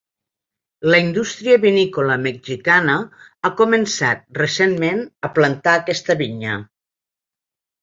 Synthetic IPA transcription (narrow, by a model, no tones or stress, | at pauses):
ləind̪ust̪ɾiəβinikoləmeɡʒikanə | akumənsat̪̚resenmenəplant̪aːkɛst̪əβiɲə